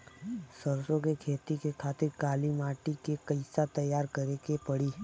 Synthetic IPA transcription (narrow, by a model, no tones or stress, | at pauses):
səɾsõkekʰeːt̪ikekʰaːt̪ɪɾkaːlimaːʈikekɐɪsat̪ɐjaːɾkɐɾekepɐɽiː